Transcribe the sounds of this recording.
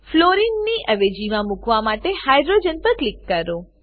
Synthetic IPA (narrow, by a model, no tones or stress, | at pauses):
floɾinːiʔəʋed͡ʒimãmukʋamaʈehajɖɾod͡ʒənpəɾklikːəɾo